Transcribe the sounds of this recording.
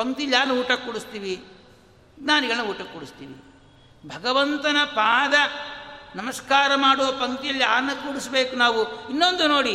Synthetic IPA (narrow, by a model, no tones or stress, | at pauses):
pɐŋt̪ijɐlːijaːɾnɐuːʈɐkːuːɽist̪iːʋi | naːniɡɐɭnɐuːʈɐkːuɽist̪iːʋḭ | bʱɐɡɐʋɐnt̪ɐnɐpaːd̪ɐnɐmɐskaːɾɐmaːɽuʋɐpɐŋt̪ijɐlːiaːnːɐkuːɽisbeːkunaːʋuinːond̪uno̞ːɽi